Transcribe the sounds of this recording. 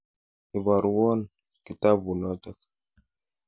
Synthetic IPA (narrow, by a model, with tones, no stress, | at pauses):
i˨ba˨ɾwɔ˦n | ki˨t̪a˦bu˨nɔt̪a˦k